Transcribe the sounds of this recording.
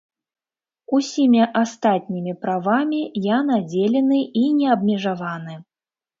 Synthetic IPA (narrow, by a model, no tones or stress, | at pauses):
usʲimʲiʔast̪at̪̚ʲnʲimʲipɾavamʲijanad͡zʲelʲɛnɨinʲɛɐbmʲɛʐavanɨ